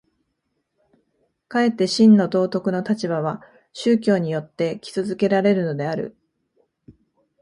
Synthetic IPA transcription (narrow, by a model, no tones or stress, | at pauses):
kae̞t̪ːe̞ɕĩnːo̞t̪o̞ːt̪o̞kɯ̟no̞t̪at͡ɕibaβ̞a | ɕɨːkʲo̞ːɲ̟ijo̞t̪ːe̞kʲi̥t͡sɨzɨke̞ɾaɾe̞ɾɯ̟no̞d̪e̞aɾɯ̰